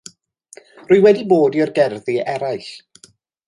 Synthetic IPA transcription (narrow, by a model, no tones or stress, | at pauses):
rʊɨwɛdiboːdiɔrɡɛrðiɛɾajɬ